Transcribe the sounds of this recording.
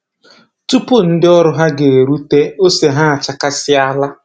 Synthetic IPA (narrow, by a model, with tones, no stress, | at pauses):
tu˦pʊ˦n̩˦dɪ˦ɔ˦ɾʊ˦ɦa˦ɡe˨e˨ɾu˦te˦o˦se˨ɦa˦a˨t͡ʃa˦ka˦sɪ˦a˦la˦